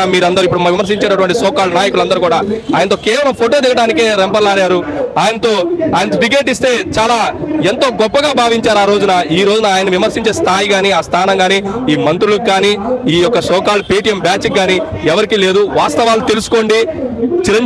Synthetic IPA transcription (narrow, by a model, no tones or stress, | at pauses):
miːɾɐnd̪ɐɾuipːuɽumɐʋimɐɾs̬iɲt͡ʃeːnɐʈuʋɐɳʈisɔːkaːɭnaːjɐkulɐnd̪ɐɾukuːɽaːaːjɐnɐt̪̬o̞ːkɛːʋɐlɐmpʰoʈoːd̪iɡɐɽaːnikeːɾempɐɾlaːɾaːɾuaːjɐnɐt̪o̞ːaːjɐnɐt̪obiɡe̞ːʈ̬ist̪e̞ːt͡ʃaːlaːe̞nt̪o̞ːɡɔpːɐɡaːbʱaːʋiɲt͡ʃaːɾaːɾoːd͡ʒunɐiːɾo̞ːd͡ʒunɐaːjɐnɐʋimɐɾsiɲt͡ʃe̞ːst̪ʰaːjiɡaːniaːst̪ʰaːnɐŋɡaːniiːmɐnt̪ɾulukːaːniːiːjɔkːɐsɔːkaːlpeːʈijɐmbjaːt͡ʃik̚ɡaːni | ɛʋɐɾikile̞ːd̪uʋaːst̪ɐʋaːlut̪e̞lusu̥ko̞ːɳɖit͡ʃiɾɐɲ